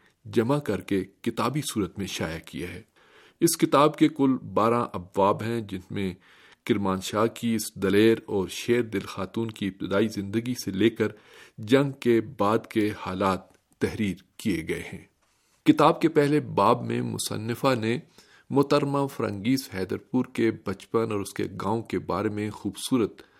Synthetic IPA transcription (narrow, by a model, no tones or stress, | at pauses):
d͡ʒɐmakɐɾkekɪt̪aːbisuːɾət̪mẽʃa̰ːjakijaɦɛː | ɪskɪt̪aːbkekʊlbaːɾãʔɐbʋaːbɦɛ̃d͡ʒɪnmẽ | kɪɾmaːnʃaːɦkiɪsd̪ɐleːɾɔːɾʃeːɾd̪ɪlxaːt̪uːnkiɪp̚t̪ɪd̪aːizɪ̃nd̪əɡiseleːkəɾ | d͡ʒɐ̃ŋɡkebaːd̪kehaːlaːt̪ː | ɛɦɾiːɾkieɡɐḛhɛ̃ː | kɪt̪aːb̚kepɛɦlebaːbmḛ̃mʊ̰sə̰nːɪfane | mʊt̪əɾmafɐɾə̰̃ŋɡiːsɦɛːd̪əɾpuːɾkebɐt͡ʃpənɔːɾʊskḛɡãːõkeba̰ːɾemẽxuːbsuːɾət̪